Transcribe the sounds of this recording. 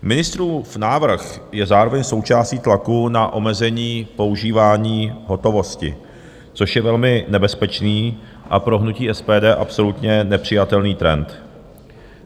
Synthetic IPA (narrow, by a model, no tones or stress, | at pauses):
mɪnɪst̪ɾuːfnaːvr̩xjɛzaːɾo̞vɛɲso̞wt͡ʃaːsciːt̪lakunaʔo̞mɛzɛɲiːpo̞uʒiːvaːɲiːɦo̞t̪o̞vo̞scɪ̰ | t͡so̞ʃjɛvɛlmɪnɛbɛspɛt͡ʃniː | ʔapɾo̞ɦnuciːʔɛspɛːdɛːʔapso̞lut̪ɲɛnɛpr̝̥ɪjat̪ɛlniːt̪ɾɛ̰nt̪